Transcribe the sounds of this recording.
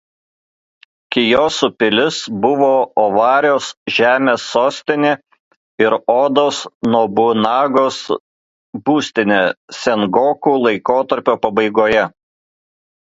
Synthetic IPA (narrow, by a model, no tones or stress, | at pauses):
kʲɪjoːsʊpʲɪlʲɪsbʊʋoːɔʋɑːɾʲoːsʒʲæːmʲeːsːoːsʲt̪ʲɪnʲe | ɪɾoːd̪oːsnɔbʊnɑːɡoːs | buːsʲt̪ʲɪnʲesʲɛnɡoːkuːlˠɐɪkoːt̪ɐɾʲpʲoːpɐbɐɪɡoːjɛ